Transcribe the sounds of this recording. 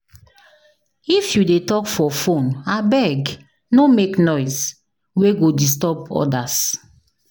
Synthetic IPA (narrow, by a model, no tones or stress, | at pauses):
ifjudetɔkfɔfõnabɛɡ | nomeknɔɪs | weɡodis̬tɔpɔ̰das